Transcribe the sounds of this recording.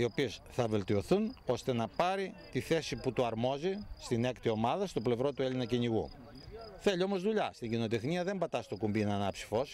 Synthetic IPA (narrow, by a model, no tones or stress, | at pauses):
io̞pie̞sθɐve̞lt̪io̞θuno̞st̪e̞nɐpɐɾit̪iθe̞siput̪uɐɾmo̞zist̪ine̞kt̪io̞mɐðɐst̪o̞ple̞vɾo̞t̪ue̞linɐciɲiɣṵ | θe̞ʎio̞mo̞zðuʎɐst̪iɲɟino̞t̪e̞xniɐðe̞mbɐt̪ɐst̪o̞kumbinɐnɐpsi̥fo̞s